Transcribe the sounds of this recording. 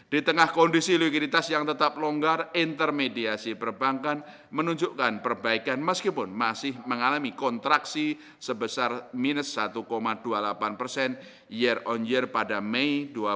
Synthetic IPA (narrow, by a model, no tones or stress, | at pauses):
d̥it̪əŋahkɔndisilikidit̪asjaŋt̪ət̪ap̚lɔŋɡarint̪ərmediasipərbaŋkan | mənuɲd͡ʒuʔkanpərbaikanməskipʊnmasɪhməŋalamikɔnt̪ɾaksi | səbəsarminəsːat̪ukomadualapanpərsɛn | jərɔnd͡ʒərpadameidua